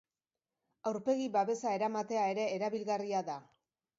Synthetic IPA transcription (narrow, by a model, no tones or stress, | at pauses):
awɾpe̞ɣiβaβe̞sae̞ɾamat̪e̞ae̞ɾe̞ːɾaβilɣariaða